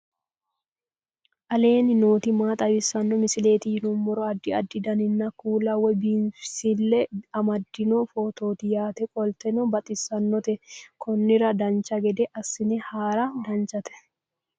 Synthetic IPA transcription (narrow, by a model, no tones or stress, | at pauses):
ʔɐle̞ːnɪnoːt̪ɪmaːt̪ʼɐbɪsɐnːɔmɪsɪle̞ːt̪ɪjɪnumbɔɾɔɐd̪ːɪɐd̪ːɪd̪ɐnɪnːɐkuːlɐwɛbinfsɪlːɛɐmɐd̪ːɪnufot̪o̞ːt̪ɪjaːt̪ɛkʼɔlt̪ɛnɔbɐt̪ʼɪsːɐnːɔt̪ɛkʰɔnːɪɾɐd̪ɐnt͡ʃɐɡɛd̪ɛʔɐsːɪnɛhaːɾɐd̪ɐnt͡ʃɐt̪ɛ̥